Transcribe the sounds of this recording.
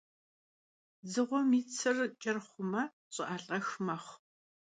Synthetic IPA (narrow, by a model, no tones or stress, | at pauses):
zɨʁʷɔmiːt͡sʰɨrt͡ʃʼɐrχʷʊmɐ | ɕʼɪʔaːɬʼɐxmɐχʷ